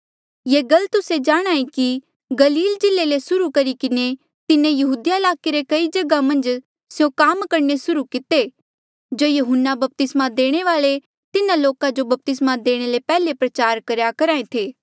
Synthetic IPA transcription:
jeːɡɐlt̪ʊsed͡ʒaːɽ̃aːĩki | ɡɐliːld͡ʒɪlːelesʊɾukɐɾikɪne | t̪ɪnẽjɐɦuːd̪ijaɪlaːkeɾekɐid͡ʒɐɡamɐ̃nd͡ʒ | sjõkaːmkɐɾnesʊɾukɪt̪e | d͡ʒoːjɐɦʊnːabɐp̚t̪ɪsmad̪eːɽ̃eʋaːɭe | t̪ɪnãloːkad͡ʒobɐp̚t̪ɪsmad̪eːɽ̃elepɛːlepɾɐt͡ʃaːɾkɐɾjakɐɾaːẽt̪ʰeː

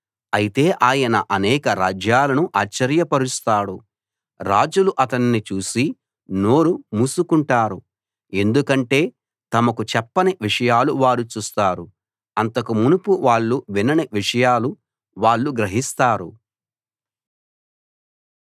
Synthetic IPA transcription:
ɐjit̪e̞ːʔaːjɐnɐʔɐnɛːkɐɾaːd͡ʒjaːlɐnuʔaːt͡ʃːɐɾjɐpɐɾust̪aːɽu | ɾaːd͡ʒuluʔɐt̪ɐnːit͡ʃuːsi | no̞ːɾumuːsukuɳʈaːɾu | e̞nd̪ukɐɳʈe̞ː | t̪ɐmɐkut͡ʃɛpːɐneʋiʂɐjaːluʋaːɾut͡ʃuːst̪aːɾu | ɐnt̪ɐkumunupuʋaːɭːuʋinɐneʋiʂɐjaːlu | ʋaːɭːuɡɾɐɦist̪aːɾu

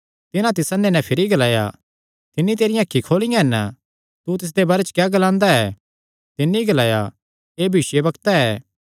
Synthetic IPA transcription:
t̪ɪnãt̪̬ɪsɐnːenɛ̃pʰɪɾiɡɐlaːja̰ | t̪ɪnːit̪eːɾɪjãːkʰːikʰoːlɪjãɦɛn | t̪ut̪ɪs̬d̪ebaːɾet͡ʃkjaːɡɐlãːnd̪aɛː | t̪ɪnːiɡɐlaːja̰ | eːbʱiːʃjebɐkt̪aɛː

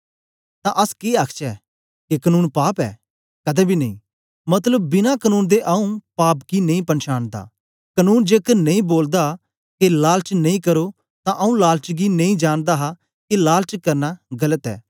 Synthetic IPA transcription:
t̪ãʔɐskeaːkʰt͡ʃɛː | kekɐnuːnpaːpɛ̰ː | kɐd̪ɛbʱinɐḭ̃ː | mɐt̪ləbːɪnãkɐnuːnd̪eʔɐũpaːpkinẽĩpɐnʃaːnd̪a̰ː | kɐnuːnd͡ʒeːkənɐ̃ĩboːld̪a | kelaːlt͡ʃnɐ̃ĩkɐɾo | t̪ãʔɐũlaːlt͡ʃɡinɐ̃ĩd͡ʒaːñd̪aɦa | kelaːlt͡ʃkɐɾnaɡɐlət̪ɛ̰ː

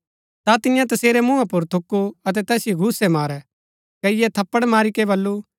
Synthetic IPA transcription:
t̪at̪ɪjãt̪ɐseːɾɛmʊ̃ãpʊɾt̪ʰʊkːuɐt̪ɛt̪ɛːsjiɡʱʊsɛmaːɾɛ | kɐɪjɛt̪ʰɐpːəɽmaːɾikɛbɐlːu

